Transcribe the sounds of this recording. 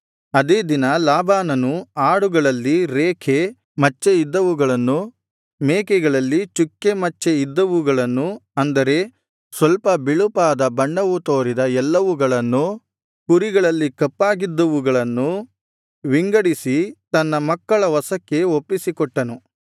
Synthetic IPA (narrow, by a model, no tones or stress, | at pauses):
ɐd̪eːd̪inɐlaːbʱaːnɐnuaːɽuɡɐɭɐlːiɾeːkʰe | mɐt͡ʃːeid̪ːɐʋuɡɐɭɐnːu | meːkɛɡɐɭɐlːit͡ʃukːemɐt͡ʃːeid̪ːɐʋuɡɐɭɐnːuɐnd̪ɐɾe̞ | sʋɐlpɐbiɭupaːd̪ɐbɐɳɖɐʋut̪oːɾid̪ɐɛlːɐʋuɡɐɭɐnːu | kuɾiɡɐɭɐlːikɐpːaːɡid̪ːɐʋuɡɐɭɐnːu | ʋiŋɡɐɽisit̪ɐnːɐmɐkːɐɭɐʋɐsɐkːe̞opːisikɔʈːɐnu